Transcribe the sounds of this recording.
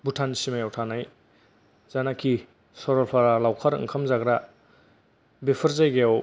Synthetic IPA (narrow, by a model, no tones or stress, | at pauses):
butʰansimajawtʰanaj | z̥anakʰi | sɔɾɔlpʰaɾalawkʰaɾɯ̰ŋkʰamzaɡɾa | bepʰɯɾzajɡeaw